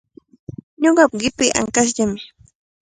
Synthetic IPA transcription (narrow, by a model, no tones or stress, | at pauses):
ɲoɢɑpɢɪpɪʔa̰ŋkas̬ʎamɪ